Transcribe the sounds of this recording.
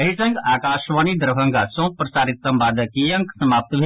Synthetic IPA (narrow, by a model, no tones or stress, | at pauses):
ɐɦisɐ̃ŋɡaːkaːʃʋaːnid̪ɾbʱɐ̃ŋɡasõːpɾɐsaːɾit̪̚sɐ̃mbaːd̪ɐkijɐ̃ŋksɐmaːp̚t̪bʱe